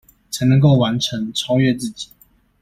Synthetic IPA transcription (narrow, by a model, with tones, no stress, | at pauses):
t͡sʰa˨˧˥ɪnə˧˥ŋko˥˩ʊwa˧˥nʈ͡ʂʰə˨˦ŋʈ͡ʂʰɑ˥ʊɥɛ˥˧˨t͡sɹ̩˥˨t͡ɕi̥˨˩˦